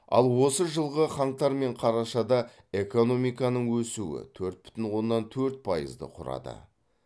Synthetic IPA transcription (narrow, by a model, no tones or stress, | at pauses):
ɑ̰lˠwo̞səʒəlˠʁəχɑɴt̪ɑɾme̞ɴqʰɑɾɑʃɑd̪ɑ | e̞ko̞no̞mijkɑnəɴwɵsuɪ̰t̪ʰɵɾt̪̚bʏ̥t̪ɪnwo̞nːɑnt̪ʰɵɾt̪̚pʰɑjə̰zd̪ə̰qʰʊɾɑ̰d̪ə̰